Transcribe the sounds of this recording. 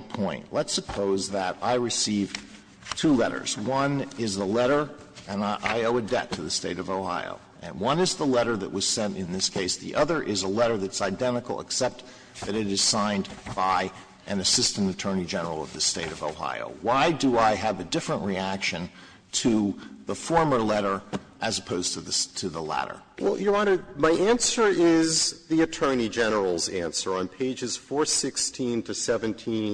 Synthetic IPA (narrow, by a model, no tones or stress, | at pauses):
pʰɔ̃ɪ̃nʔlətsəpʰoʊzðəɾaɪɹɨsiv̥ | tʰulɛɾə̰˞zwʌ̃nɪzðəlɛɾə˞ | ɨ̃nʔa̰ɪoʊɨdɛ̰tʰɨðɨsteɪɾʌvoʊha̰ɪo̰ʊ | ɨ̰̃nwʌ̃nɨzðəlɛɾə˞ðɨ̰ʔ̚wʌz̥sɛ̃ntɨ̃nðɪskʰeɪsðḭʔʌðə˞ʔɪzəlɛɾə˞ðɨtsaɪdɛ̃ɾ̃ɨkl̩ˠə̰ksɛp̚t̪ | ðɨɾɨɾɨz̥sãɪ̃nb̥aɪ | ʔɨ̃nɨsɪstɨ̃n̩tɨtʰɜ˞nid͡ʒɛnə˞l̩ˠʌ̰vðɨsteɪɾʌvoʊha̰ɪo̰ʊwaɪdəaɪɨvɨdɪfɹə̃nʔɹiækʃɨ̃n | tʰɨðəfɔɹmə˞lɛɾə˞ | ʔɨzəpʰoʊz̥tʰɨðɨtʰɨðəlæ̰ɾə̰˞ | wɛ̰lˠjə˞ɑnə˞maɪʔæ̃nsə˞ɪzðiɨtʰɜ̃˞nid͡ʒɛnə˞l̩ˠzæ̃nsə˞ə̃npʰeɪd͡ʒɨz̥fɔɹsɪkstʰĩntʰɨsɛvɨ̃ntʰĩn